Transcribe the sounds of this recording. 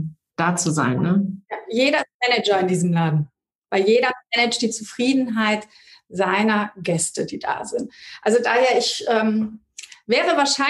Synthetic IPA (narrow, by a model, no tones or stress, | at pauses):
d̥aːt͡suza̰ɪnːəjaːjeːɾɐmɛnɛd͡ʒɐɪndiːzəmlaːdn̩ | v̥aɪjeːɾɐmɛnɛt͡ʃt̚d̥iːt͡sufʁ̥iːdn̩ɦaɪt | z̥aɪnɐɡɛstədiːd̥a̰ːzɪntʔalzodaːheːɐɪçʔɛːm | vɛːʁəvaːɐʃaɪ